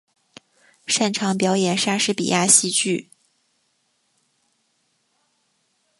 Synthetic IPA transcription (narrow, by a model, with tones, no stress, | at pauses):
ʂa˥˩nʈ͡ʂʰɑ˧˥ŋpjɑ˧˥ʊjɛ˨˩nʂa˥ʂɻ̩˥pḭ˨˩jʔa˥˧ɕi˥˧t͡ɕy˥˩